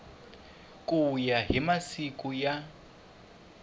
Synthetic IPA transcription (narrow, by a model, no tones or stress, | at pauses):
kʼujaɦimasikʼuja